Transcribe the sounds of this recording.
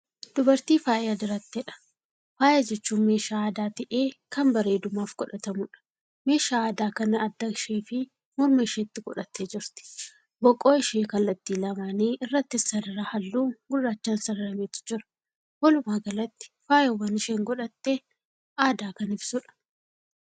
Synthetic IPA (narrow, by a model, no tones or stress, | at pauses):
d̪̥ʊbɐɾt̪iːfaːjɐd̪ɪɾɐt̪ːɛᶑɐ̥ | faːjed͡ʒɛt͡ʃːuːnme̞ːʃaːaːd̪aːt̪ɪʔeːkɐmbɐɾeːd̪ʊmaːfɡ̥ɔᶑɐt̪ɐmʊᶑɐ̥ | me̞ːʃaːaːd̪aːkɐnɐːd̪ːɐkʃeːfɪ | mɔɾmeːʃeːt̪ːɪɡɔᶑɐt̪ːeːd͡ʒɪɾt̪ɪ̥ | bɔkʼːoːɪʃeːkɐlːɐt̪ːiːlɐmaːniːɪrːɐt̪ːɪsɐdɪɾaːhɐlːuːɡʊrːaːt͡ʃːaːnsɐɾɐɾɐmeːt̪ɪ̥d͡ʒɪɾɐ̥ | wɐlʊmaːɡɐlɐt̪ːɪ̥faːjowɐnɪʃeːŋɡɔᶑɐt̪ːeː | aːd̪aːkɐnɪbsʊᶑɐ̥